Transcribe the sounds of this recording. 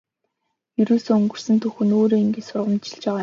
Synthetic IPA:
jɵɾoːsoːɵŋɡɵ̆r̥sɘ̆nt̪ʰɵxɵ̆noːɾoːiŋɡet͡ɕsʊrʁə̆mt͡ɕɪ̥̆ɮt͡ɕpæːʁaː

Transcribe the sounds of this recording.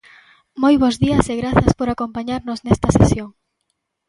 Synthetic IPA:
mojβ̞ozðiɐseɣɾaθɐspoɾakompaɲaɾnoznɛst̪ɐsesjoŋ

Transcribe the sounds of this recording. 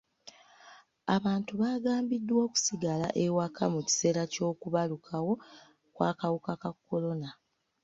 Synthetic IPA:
aβaːntuβaːɡaːmbidːwo̞ːku̥siɡala̰ʔe̞wakʰamuci̥se̞ːɾaco̞ːkuβalukʰawo̞ | kwa̰ːkawukakakːo̞lo̞na

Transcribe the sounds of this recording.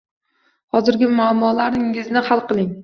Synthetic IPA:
hɒzɪɾɡʲɪmaːmːɒlaɾɪŋɪznɪhalˠqɨlˠɪŋ

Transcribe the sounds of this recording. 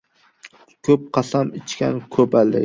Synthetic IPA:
kʰɵp̚qʰɑsamɪt͡ʃkʲa̰nkʰɵpald̪ɪ̰

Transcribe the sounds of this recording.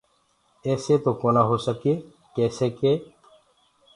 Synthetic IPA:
ɛːseːt̪okoːnaɦoːsəkeː | kɛːseːkeː

